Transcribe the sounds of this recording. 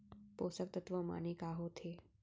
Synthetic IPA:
poːsək̚t̪ət̪ʋəma̰nekaːɦot̪ʰeː

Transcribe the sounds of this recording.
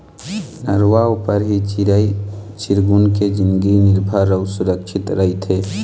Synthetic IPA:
nəɾwaopəɾɦi | t͡ʃɪɾɡʊnked͡ʒɪ̃nd̪ɡinɪɾbʱaɾəʊsʊɾəkʃʰɪt̪ɾəɦit̪ʰeː

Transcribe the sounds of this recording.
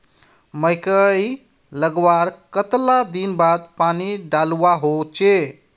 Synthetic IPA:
məjkəj | ləɡwaɾkət̪lad̪inbad̪̚paniɖaluwaɦot͡ʃe

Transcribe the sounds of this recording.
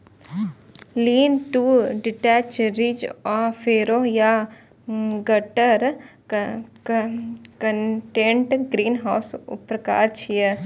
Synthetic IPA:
liːnʈuːɖɪʈɛːt͡ʃɾɪd͡ʒɔːfʰeːɾoːja | ɡəʈəɾ | kəʈẽːɳʈɡɾiːnɦaːsʊ̰pɾəka̰ːɾt͡ʃʰije

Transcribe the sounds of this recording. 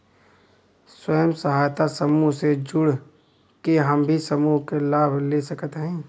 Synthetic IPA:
swəjəmsəɦaːjt̪asəmuɦsed͡ʒʊɽ | keɦɐmbʱisəmuɦkelaːbʱlesəkət̪ɦɛ̃ː

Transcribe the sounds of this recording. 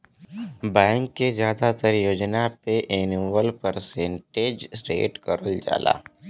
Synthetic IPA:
bɛ̃ːŋkːezjaːd̪at̪əɾjoːd͡ʒnapeʔeːnuːʋəlpəɾsẽːɳʈeːd͡ʒsɾḛːʈkɐɾəld͡ʒa̰ːlʔa̰ː

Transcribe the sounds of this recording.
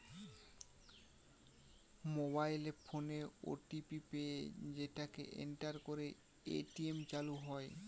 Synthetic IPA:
mobajlefʰoneo̰ʈipipeed͡ʑeʈakḛʔḛɳʈaɾkoɾe | ḛʈiemt͡ɕaluɦɔe

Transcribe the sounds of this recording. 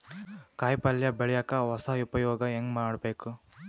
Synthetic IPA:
kaːjpɐljɐbeɭjakɐʋɐsɐupɐjɔːɡɐeŋɡmaːɽbeːku

